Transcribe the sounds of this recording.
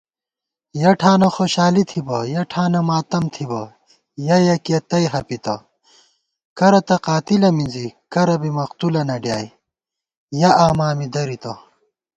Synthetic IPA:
jɐʈʰaːnɐxoːɕaːlit̪ʰibɐjɐʈʰaːnɐmaːt̪ɐmt̪ʰibɐ | jɐjɐkiet̪ɐjɦɐpit̪ɐ̰ | kɐɾɐt̪ɐqaːt̪ilɐminzikɐɾɐbimɐqt̪ulɐnɐɖjaːj | jɐʔaːmaːmid̪ɐɾit̪ɐ

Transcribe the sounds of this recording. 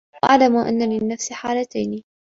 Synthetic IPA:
ʔa̰ʕlamuʔa̰nːalɪnːafsħaːlat̪ajni

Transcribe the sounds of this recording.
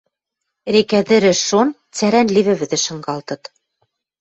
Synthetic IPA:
ɾekæðɘ̆ɾɘ̆ʃon | t͡sæɾænlʲiβɘ̆βɘ̆ðɘ̆ʃɤ̆ŋɢɑlˠt̪ɤ̆t̪

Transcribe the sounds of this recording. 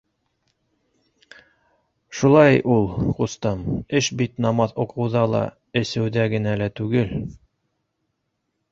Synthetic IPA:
ʃulˠɑjʔulˠqust̪ɑmɘʃbit̪nɑmɑðuqʰɤ̆wðɑlˠɑ̰ | ɘ̆sɘ̆wðæɡɘ̆nælæt̪ʉɡɘl

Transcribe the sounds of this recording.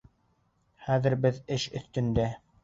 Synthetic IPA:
χæðɘ̆ɾbɘðɘʃɵ̆θt̪ɵ̆nd̪æ

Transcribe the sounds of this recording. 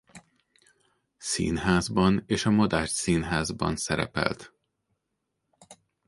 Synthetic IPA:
sḭːnɦaːzbɒneːʃɒmɒd̪aːʃt̪siːnɦaːzbɒ̰nsɛɾɛ̰pɛ̰lt̪

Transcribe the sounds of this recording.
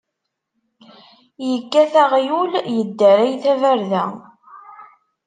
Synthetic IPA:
jəkːæθaʁjuljəd̪ːæɾæjθævæɾðæ

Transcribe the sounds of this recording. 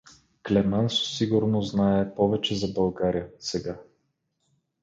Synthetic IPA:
klɛmanso̥siɡʊɾnoznaɛpɔvɛt͡ʃɛzɐbɐlˠɡaɾijəsɛɡa

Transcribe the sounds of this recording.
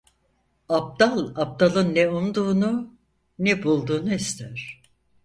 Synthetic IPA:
ap̚d̪alˠap̚d̪alˠɯnːɛumd̪uːnu | nɛbulˠd̪uːnuist̪ʰæɾ̝̥

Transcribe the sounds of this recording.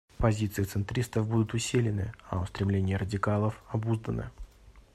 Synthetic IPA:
pɐzʲit̪sɨjɪt̪sɨnt̪ɾʲist̪əvbud̪ʊt̪ʊsʲilʲɪnɨɐʊst̪ɾʲɪmlʲenʲɪjəɾədʲɪkalˠəfɐbuzd̪ənɨ̰

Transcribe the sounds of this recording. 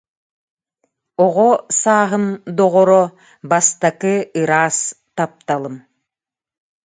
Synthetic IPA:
ɔʁɔsaːɦɯmd̪ɔʁɔɾɔ | bast̪akɯɯɾaːs | t̪ap̚t̪alˠɯm

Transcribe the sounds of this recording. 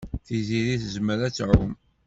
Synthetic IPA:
θiziɾiθzməɾæt͡sːʕṵm

